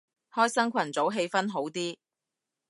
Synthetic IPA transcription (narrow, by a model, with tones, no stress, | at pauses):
hɔː˥jsɐ˥ŋkʷʰɐ˨˩nt͡so˨˥wɦe˧jfɐ˥nɦo˨˥wt̪iː˥